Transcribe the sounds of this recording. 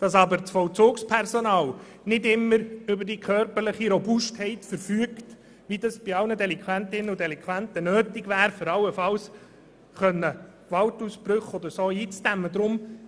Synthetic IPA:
d̥ɑsɑbəɾt͡sfɔlt͡sʊːkspʰɛɾsɔnɑːl | nɪdɪmːəɾʏbəɾdikʰœɾpəɾləχiɾobʊsthɛɪtfəɾfyːəkt | ʋid̪ɑsb̥iɑlnədɛlɪŋkʰwænt̪ɪnːəudɛlɪŋkʰʋænt̪ənøːtɪɡʋæːɾføɾɑlːəfɑls | χœnːə | ɡʋɑltusbɾʏχɔd̪əɾsoːiːt͡stæmːəd̪ɾʊm

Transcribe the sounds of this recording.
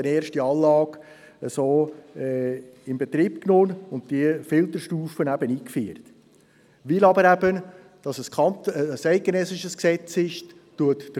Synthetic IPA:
əneːɾʃtiɑːnlɑːɡ | əsoːɛɪmbet̪ɾiːpknoːnʊnt̚d̥iəfɪlt̪əɾʃtuːfənæbəniːkfy̰ːɾt̪ | ʋɪlɑbəɾæbən | d̥ɑsəskɑntːsæɪt̚ɡ̥enɛsɪʃəsksɛt͡sɪʃ | tuətd̥

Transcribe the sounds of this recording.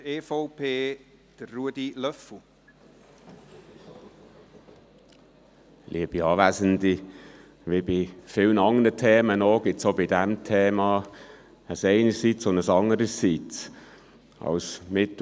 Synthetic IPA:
eːfoʊpʰeː | d̥ərːuədilœfu | lʔiəb̥iɑːvæːzəndi | ʋɪbifɪlnɑŋəɾətʰeːmənɔɡ̥ɪtsobidæmtʰeːmɑː | əsɛɪnəsit͡sonəsɑŋəɾəsːit͡s | ɑ̰lsmɪt

